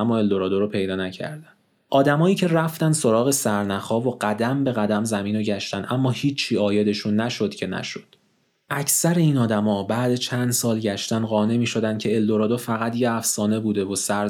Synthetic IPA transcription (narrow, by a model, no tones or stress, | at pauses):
æmːɒːe̞ld̪o̞ɾɒːd̪oɾopʰe̞jd̪ɒːnæcʰæ̰ɾd̪æn | ʔɒːd̪æmɒːiːcʰe̞ræft̪ænd̪so̞ɾɒːɣe̞sæɾnæxɒːvoɢæd̪æmbe̞ɣæd̪æmzæmiːnoɟæʃt̪ænʔæmːɒːhiːt͡ʃʰːiːɒːje̞d̪e̞ʃunːæʃo̞d̪̥cʰe̞næ̰ʃo̞d̪̥ | ʔæcʰsæɾe̞iːnɒːd̪æmɒːbæːd̪et͡ʃʰænd̪sɒːlɟæʃt̪ænɢɒːne̞miːʃo̞d̪ænd̪̚cʰe̞eld̪o̞ɾɒːd̪ofæɣæt̪jeæfsɒːne̞buːd̪e̞vosæɾ